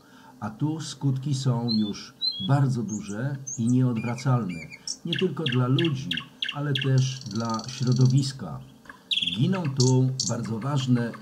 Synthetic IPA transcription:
at̪uskut̪kʲisɔ̃w̃juʐbaɾd̪zɔd̪uʐɛiɲɛɔd̪vɾat̪salnɛɲɛt̪ɘlkɔd̪lalud͡ʑialɛt̪ɛʂd̪laɕɾɔd̪ɔvʲiska̰ | ɡʲinɔ̃w̃t̪ubaɾd̪zɔvaʐnɛ

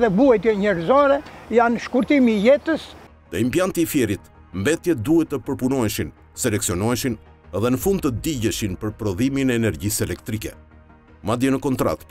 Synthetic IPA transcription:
ðɛbuajt̪ɛɲɛɾzɔɾɛjanʃkuɾt̪imijɛt̪əs | t̪ɛimpjant̪iːfjɛɾit̪ | mbɛt̪jɛd̪uhɛt̪ːəpəɾpunɔɛʃin | sɛlɛksiɔnɔɛʃin | ɛðɛnəfund̪̚t̪əd̪iɟɛʃinpəɾpɾɔðiminɛːnɛɾɟisɛlɛk̚t̪ɾikɛ̰ | mad̪jɛnəkɔnt̪ɾa̰t̪

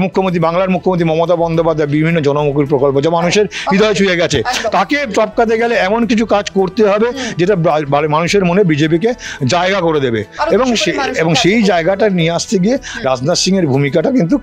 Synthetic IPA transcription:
mukʰːomont̪ɾibaŋlaɾmukʰːomont̪̬ɾimɔmot̪̬abɔnd̪opad̪ʱːaebibʱinːod͡ʑɔnomuk̬iɾpɾokolpod͡ʑamanuʃeɾid̪ʱɔet͡ɕʰujeɡɛt͡ɕʰet̪akeʈɔp̚kat̪̬eɡɛleɛmonkit͡ɕʰukad͡ʑkoɾt̪eɦɔbed͡ʑeʈaaamanuʃeɾmonebid͡ʑep̬iked͡ʑaeɡakoɾed̪ebḛeboŋʃeeboŋʃejd͡ʑaeɡaʈanieaʃt̪eɡieɾad͡ʑnaʃiŋeɾbʱumikaʈakint̪̬u

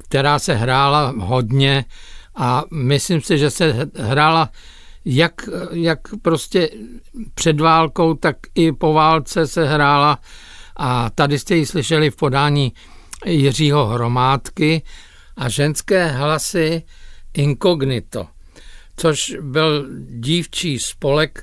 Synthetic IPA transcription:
kt̪ɛɾaːsɛɦɾaːlaɦo̞dɲɛʔamɪslimsɪʒɛsɛɦɾaːla | jakjakpɾo̞scɛpr̝̥ɛdvaːlko̞wt̪akɪpo̞vaːlt͡sɛsɛɦɾaːla | ʔat̪adɪst̪ɛjɪslɪʃɛlɪfpo̞daːɲiː | jɪr̝iːɦo̞ɦɾo̞maːt̪kɪ | ʔaʒɛnskɛːɦlasɪ | ʔɪŋko̞ɡnɪt̪o̰ | t͡so̞ʃbɪlɟiːft͡ʃiːspo̞lɛk

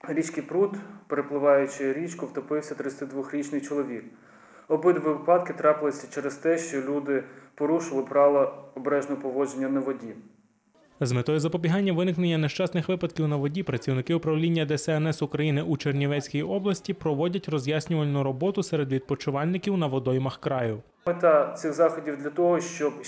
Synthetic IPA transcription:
ɾʲit͡ʃkɪjpɾut̪peɾeplˠɪʋɑjʊt͡ʃɪɾʲit͡ʃkʊwt̪ɔpɪwsʲɐt̪ɾɪt͡sʲɐt̪ɪd̪ʋʊxɾʲit͡ʃnɪjt͡ʃɔlˠɔʋʲik̚ | ɔbɪd̪ʋɪʋpɑt̪kɪt̪ɾɑpɪlˠɪsʲɐt͡ʃɛɾɛst̪ɛʃt͡ʃɔlʲud̪ɪpɔɾuʃɪlˠɪpɾɑlˠɐɔbɾɛʒnɔɔpɔʋɔd͡ʒenʲːɐnɐʋɔdʲi | zmet̪ɔjʊzɐpɔbʲiɦɑnʲːɐʋɪnɪknenʲːɐneʃt͡ʃɑsnɪxʋɪpɐd̪kʲiwnɐʋɔdʲipɾɐt͡sʲiwnɪkɪʊpɾɐwlʲinʲːɐd̪ɛsɛɛnɛsʊkɾɐjinɪʔut͡ʃernʲiʋɛt͡sʲkʲijiʔɔblˠɐsʲtʲipɾɔʋɔdʲɐtʲrɔzʲjasʲnʲʊʋɐlʲnʊɾɔbɔt̪ʊsɛɾed̪ʋʲid̪̚pɔt͡ʃʊʋɑlʲnɪkʲiwnɐʋɔd̪ɔjmɐxkɾɑjʊ | met̪ɑt̪sɪxzɑxɔdʲiwd̪lʲɐt̪ɔɦɔʃt͡ʃɔb

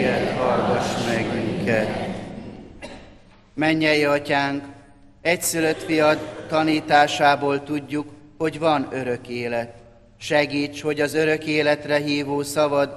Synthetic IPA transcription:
ɛt̪hɒrɡɒʃmɛɡyŋkɛt̪ | mɛɲːɛjiɒcaːŋk | ɛcsyløt̪fijɒd̪t̪ɒniːt̪aːʃaːboːlt̪uɟːukho̞ɟvɒnø̞ɾø̞keːlɛt̪ | ʃɛɡiːt͡ʃho̞ɟɒzø̞ɾø̞keːlɛt̪rɛɦiːvoːsɒvɒd̪

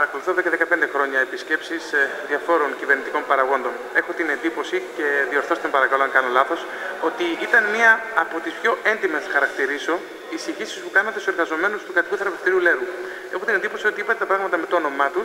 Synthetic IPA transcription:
pɐɾɐko̞luθoðekɐðe̞kɐpe̞nd̪e̞xɾo̞ɲɐepisce̞psisðiɐfo̞ɾo̞ŋcive̞ɾnit̪ikompɐɾɐɣo̞nd̪o̞ne̞xo̞t̪ine̞nd̪ipo̞sice̞ðio̞ɾθo̞st̪ɐmpɐɾɐkɐloɐŋkɐno̞lɐθo̞s | o̞t̪iit̪ɐnmiɐːpo̞t̪ispço̞e̞nd̪ime̞snɐxɐɾɐkt̪iɾiso̞ | isiçisi̥spukɐnɐt̪esse̞ɾɣɐzo̞me̞nust̪ukɐt̪ikuθeɐpe̞ft̪iɾiule̞ɾu | e̞xo̞t̪ine̞nd̪ipo̞sio̞t̪iipɐt̪et̪ɐpɾɐɣmɐt̪ɐme̞t̪oono̞mɐt̪u

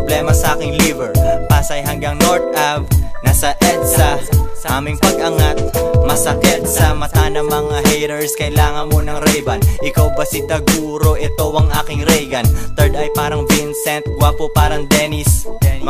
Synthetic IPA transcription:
blɛːmɐsɐʔaːkɪŋlivɛɹpaːsɐjɦɐŋɡaŋnoɹt̪̚ʔav̚nɐsɐʔɛt̪sɐʔaːmɪŋpɐɡ̚ʔɐŋat̪̚mɐsɐkɛt̪sɐmɐt̪aːnɐmɐŋahɛjɾɛɹskɐʔɪlaːŋɐnmonɐŋɾɛjbɐnʔɪkawpɐsɪt̪ɐɡuːɾo̞ʔɛt̪owɐŋʔaːkɪŋɾɛjɡɐnt̪ɛɹd̪ɐjpaːɾɐŋvinsɛnt̪̚ɡʊwapopaːɾɐŋd̪ɛnɪs

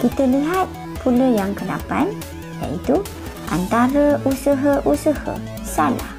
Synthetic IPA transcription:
kit̪əliɦat̪̚ | pʰuləjaŋkəna̰pa̰n | ja̰ʔit̪u | ʔa̰nt̪aɾəusəɦəʔusəhə̰ | sala̰h

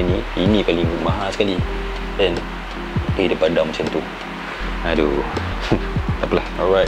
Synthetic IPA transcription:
niinĩpaliŋmaɦasə̥kali | dɛ̃n | kiidəpadamusĩnt̪u | ado | t̪apəlahɔɹaj

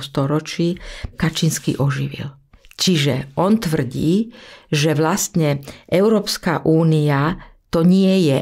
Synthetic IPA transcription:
st̪ɔɾɔt͡ʃikat͡ʃinskḭʔɔʒiʋḭl | t͡ʃiʒɛʔɔnt̪ʋr̩ɟiːʒɛʋlast̪ɲɛʔɛʊɾɔːpskaʔuːniat̪ɔɲɪɛjɛ

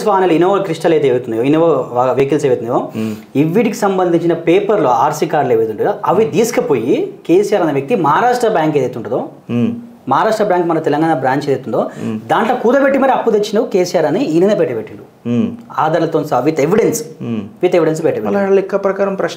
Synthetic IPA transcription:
sʋaːnɐluinoːʋɐkɾiʂʈɐlɐjt̪eeːʋit̪und̪ijoinoʋoaʋeːkilseːʋit̪und̪ijoː | iʋːiʈikisɐmbɐnd̪ʱiɲt͡ʃinɐpeːpɐɾloaːɾsikaːɾleːʋit̪uɳʈud̪oʔɐʋid̪iːsɐ̥kɐpo̞ːjikeːsijaːɾɐnɐʋjɐk̚t̪imɐaːɾaːʂʈɾɐbjaːŋked̪ɐjt̪uɳʈːund̪oː | mɐːɾaːʂʈɾɐbjaːŋkmɐnɐt̪ɛlɐŋɡaːnɐbɾaːɲt͡ʃedɐijt̪und̪oːd̪aːɳʈloːkuːd̪ɐbeʈːimɐɾɐpːud̪et͡ʃːinɐkeːsijaːɾɐniinɐnepeʈːɐbeʈːiɳɖu | aːd̪ɐɾlɐt̪onsaʋit̪eʋiɖensʋit̪eʋiɖens̬bɛʈːɐbeɐlɐɭlikːɐpɾɐkaːɾɐmpɾɐ

